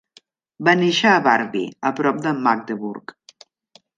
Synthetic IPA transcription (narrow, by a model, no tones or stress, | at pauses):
baneʃəːβaɾβḭəpɾɔp̚d̪əmak̚d̪əβuɾk